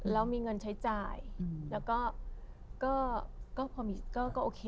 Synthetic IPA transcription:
lɛː˦˥wmiː˧ŋɤ˧nt͡ɕʰa˦˥jt͡ɕaː˧˩jlɛː˦˥wkɔː˥˩ | kɔː˥˩kɔː˥˩pʰɔː˧miː˧kɔː˥˩kɔː˥˩ʔoː˨˩kʰeː˧

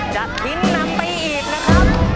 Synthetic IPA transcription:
t͡ɕa˨˩p̚hi˦˥nːa˧˥mpa˧jʔiː˨˩k̚na˦˥kʰa˦˧˩

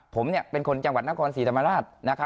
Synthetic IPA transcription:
pʰo˩˦mni˥˩əpe˧nkʰo˧nt͡ɕa˧ŋwa˨˩t̪̚na˥kʰɔː˧nsiː˨˦t̪ʰa˧ma˧ɾaː˥˩t̪̚na˦˥kʰa˦˥

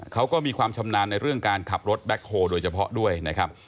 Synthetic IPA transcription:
kʰa˦˥wkɔː˥˩miː˧kʰwaː˧mt͡ɕʰa˧mnaː˧nːa˧jɾɯ˥˩əŋkaː˧nkʰa˨˩p̚ɾo˦˥t̪̚bɛ˦˥k̚ʰːoː˧doː˧jt͡ɕʰa˧pʰɔ̰˦˥du˥˩əjna˦˥kʰa˦˥p̚

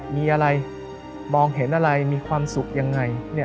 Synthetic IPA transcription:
miː˧ʔa˧ɾa˧j | mɔː˧ŋɦe˩˦nʔa˧ɾa˧jmiː˧kʰwaː˧msu˨˩k̚ja˧ŋːa˧jni˥˩

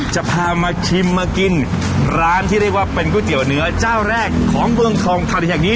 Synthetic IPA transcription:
t͡ɕa˨˩pʰaː˧maː˧kʰi˧mːaː˧ki˧n | ɾaː˦˥nt̪ʰiː˥˩ɾi˥˩k̚waː˥˩pe˧nkuː˥˩t̪i˩˦əwnɯ˨˦˥ɐt͡ɕaː˥˩wɾɛː˥˩kʰːɔː˩˦ŋmɯ˧əŋk̪ʰɔː˧ŋt̪ʰa˧n˨˩˨aː˨˩k̚niː˦˥

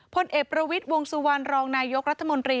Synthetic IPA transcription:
pʰo˧nʔeː˨˩k̚pɾa˧wi˦˥t̪̚wo˧ŋsu˧wa˧nɾɔː˧ŋnaː˧jo˦˥k̚ɾa˦˥t̪ʰːa˧mo˧nt̪ɾiː˧

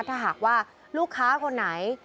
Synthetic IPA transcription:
t̪ʰaː˥˩ɦaː˨˩k̚waː˥˩ | luː˥˩kʰːaː˦˥kʰo˧nːa˩˦j

